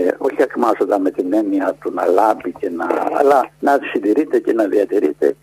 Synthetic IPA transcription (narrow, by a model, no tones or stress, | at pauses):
o̞çiɐkmɐzod̪ɐme̞t̪ine̞niɐt̪unɐ̰lɐvice̞nɐ̰ɐ̰lɐnɐsind̪iɾit̪e̞ce̞nɐðiɐt̪iɾit̪e̞̰